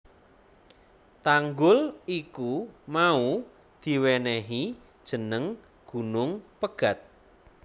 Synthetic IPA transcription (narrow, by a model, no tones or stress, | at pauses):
t̪aŋɡʊlikumau | d̪̥i̤wɛnɛɦi | d̥ʒ̥ə̤nəŋ | ɡ̥ṳnʊŋpəɡ̥a̤t̪̚